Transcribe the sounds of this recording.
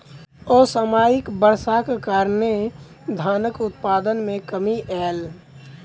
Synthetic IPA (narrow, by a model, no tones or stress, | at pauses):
ɔːsəmaːjɪkbəɾsakekaːɾne | d̪ʱaːnəkʊt̪paːd̪ənmẽkəmiʔɛːl